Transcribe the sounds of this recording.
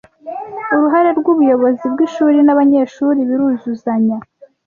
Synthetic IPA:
uɾuɦaɾe̞ɾɡuβujo̞βo̞zibɡiʃuːɾinaβaɲe̞ʃuːɾiβiɾuzuzaɲa

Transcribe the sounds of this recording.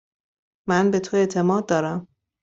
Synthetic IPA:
mænbe̞t̪ʰoe̞t̪ʰe̞mɒːd̪̚ːɒːɾæm

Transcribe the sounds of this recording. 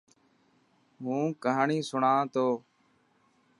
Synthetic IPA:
ɦũːkaɦːɳiːsʊɳãːt̪oː

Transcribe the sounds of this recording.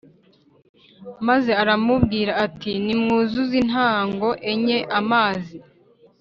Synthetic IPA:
maze̞aɾamubɡiːɾaːtinimŋuːzuzin̥ɦaːŋɡo̞ʔe̞ɲeʔamaːzi

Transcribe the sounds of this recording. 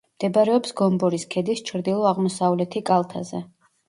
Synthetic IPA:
md̪̥ɛbɾɛɔpsɡɔmbɔɾiskʰɛd̪ist͡ʃʰɾd̪ilˠɔaʁmɔsavlɛt̪ʰikʼalˠt̪ʰa̰zɛ

